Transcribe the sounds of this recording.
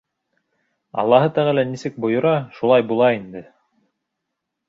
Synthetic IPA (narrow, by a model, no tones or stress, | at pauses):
ɑ̰lˠːɑɦɤt̪æʁɘlænisɘk̚bŏjŏɾɑʃulˠɑjbulˠɑind̪ɘ